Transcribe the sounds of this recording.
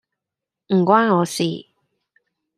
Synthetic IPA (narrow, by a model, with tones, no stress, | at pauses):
m̩˨˩kʷwaː˥nŋɔː˨˧sḭː˨˩